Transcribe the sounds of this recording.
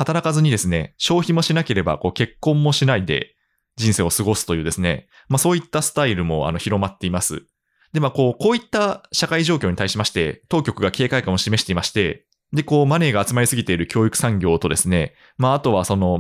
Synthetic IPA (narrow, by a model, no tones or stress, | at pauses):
hat̪aɾakazɨɲ̟id̪e̞sɨne̞ɕo̞ːçimo̞ɕinake̞ɾe̞ba̰ko̞ːke̞kːõ̞mːo̞ɕinaid̪e̞̰ | d͡ʑĩɰ̃seːo̞sɨɡo̞sɨ̥t̪o̞jɯ̟ːd̪e̞sɨne̞̰ | maso̞ːit̪ːasɨ̥t̪aiɾɯ̟mo̞a̰no̞çiɾo̞mat̪ːe̞imasɨ̰ | d̪̥e̞mako̞ːko̞ːit̪ːaɕakaiʑo̞ːkʲo̞ːɲit̪aiɕimaɕi̥t̪e̞̰t̪o̞ːkʲo̞kɯ̟ɡake̞ːkaikãoɕime̞ɕi̥t̪e̞imaɕi̥t̪e̞ | d̪e̞ko̞ːmane̞ːɡaːt͡sɨmaɾisɨɡʲit̪e̞iɾɯ̟kʲo̞ːikɯ̟̥sãŋɡʲo̞ːt̪o̞d̪e̞sɨne̞ | maːt̪o̞βaso̞no̞